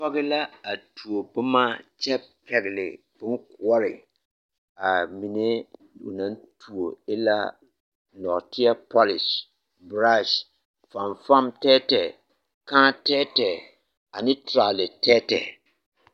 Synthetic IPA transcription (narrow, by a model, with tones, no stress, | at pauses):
pɔ˦ɡɪ˦la˦a˨tʰu˨o˨bʊ˦ma˦t͡ʃɛ˦b̚kɛ˨ɡlɪ̰˨ | b̥ʊ˦n˦kʊ˦ɔ˦ɾɪ˨ | a˨mi˨ne˦ | ʊ̰˨nã˦ntʰu˨o˨ɪ˦la̰˦ | nɔ˨tɪ˦a˦pɔ˦lɪ˨s | bɾa˦ʃ | fa˨mfa˦mtɛ˦tɛ˨ | kãː˦tɛː˦tɛ˨ | a˨nɪ˦tɾa˨lɪ˨tʰɛ˦tɛ̰˨